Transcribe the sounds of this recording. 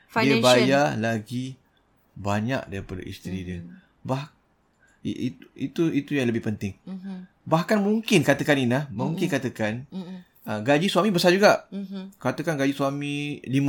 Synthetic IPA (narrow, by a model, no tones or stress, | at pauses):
fiəbajalaɡi | baɲa̰k̚daɾipada̰ʔḭst̪ɾidiə | bah | iuit̪uit̪ujaŋləbɪhpənt̪ɪŋ | baɦkanmuŋkɪnkat̪əkaninlahmuŋkɪnkat̪əkan | əɡad͡ʒiswamibəsad͡ʒuɡaʔkat̪əkanɡad͡ʒiswamĩlim